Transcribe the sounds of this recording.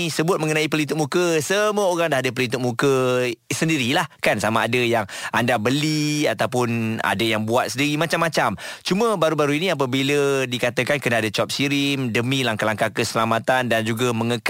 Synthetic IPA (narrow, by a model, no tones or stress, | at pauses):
səbʊt̪̚mə̃ŋənaip̬əlit̪ʊk̚mũkəsəmuəoɾaŋdaɦadəp̬əlint̪ʊk̚mukəsəndiɾilahkansamaːdəjaŋʔandabəliat̪awp̬ʊna̰dəjaŋbuat̪̚sədiɾimat͡ʃamːat͡ʃamt͡ʃuməbaɾubaɾuiniap̬abilədikat̪əkankənaadat͡ʃɔp̚siɾimdəmĩlaŋkalaŋkakəsəlamat̪andand͡ʒuɡamə̃ŋək